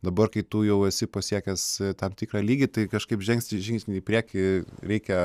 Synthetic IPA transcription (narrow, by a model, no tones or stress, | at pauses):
d̪ɐbɐrkɐɪt̪uːjɛʊɛsʲɪpɐsʲiɛkʲɛst̪ɐmt̪ʲiːkrɑːlʲiːɡʲit̪ɐɪkɐʃkɐɪpʒʲɛŋksʲt̪ʲɪʒʲɪŋksʲnʲɪiːpʲɾʲiɛkʲɪɾʲɛɪkʲɛ